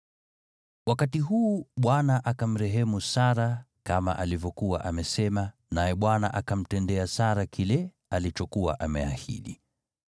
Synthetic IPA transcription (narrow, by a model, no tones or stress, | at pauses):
wakatiɦuːɓwanaʔakam̩ɾɛɦɛmusaɾa | kama̰ʔalivɔkuwa̰ʔamɛsɛma | najɛɓwana̰ʔakam̩tɛndɛasaɾakʰilɛ | alit͡ʃɔkuwa̰ʔamɛa̰hḭɗḭ